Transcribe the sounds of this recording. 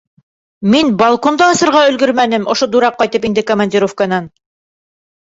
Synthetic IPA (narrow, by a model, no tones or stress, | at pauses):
minbɑlˠkond̪ɑːsɤ̆ɾʁɑɵ̆lɡɵɾmænɘmŏʃod̪uɾɑq̚ːɑjt̪ɤpind̪ɘkɐmanʲdʲiɾofkanɑn